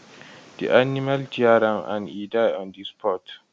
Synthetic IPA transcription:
d̪̥ḭʔanimald͡ʒiaɾãmã̰nidajɔ̃nd̪ispʰɔt

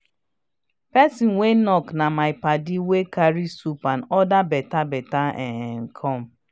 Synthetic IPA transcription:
pɛsinwenɔknamaɪpadiwekaɾisupanɔdabɛtabɛtaɛŋ̩kʰɔm̩

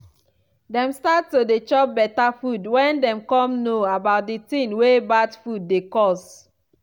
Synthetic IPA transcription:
dɛ̃mstattːodet͡ʃɔp̚bɛtafudwɛ̃ndɛ̃mkɔ̃mnoabaʊt̚ditĩnwebadfud̚ːekɔs

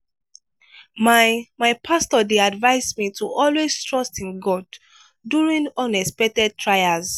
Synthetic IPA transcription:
mamaɪpʰastɔdeadvaɪsmituʔɔlweztʰɹɔstĩnɡɔdː | uɹĩŋɔ̃nɛspɛk̚tɛd̚tʰɹajaz

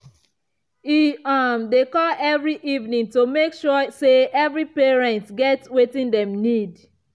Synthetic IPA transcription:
iamdekɔlɛvɹiʔivnĩŋtomekʃuseʔɛvɹipɛɹɛ̃ntɡɛtwetĩndɛ̃mnid

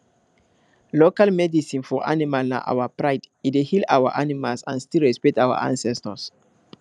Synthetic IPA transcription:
lokalmɛdisĩnfɔʔa̰nimalna̰ʔa̰wapɹaɪd | itwehilawa̰ʔanimalsã̰nstilɹɛspɛk̚tawa̰ʔã̰nsɛstəs

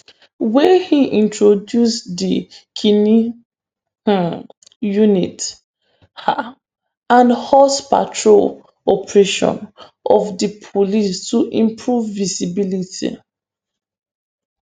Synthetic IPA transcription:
wɛhiʔĩntɹodjusdikʰini | junit | ha | ãnhɔspa̰tʰɹol | ɔpɹeʃɔ̰̃n | ʔɔfdipʰolistuʔĩmpʰɹuvːisibilitʰḭ

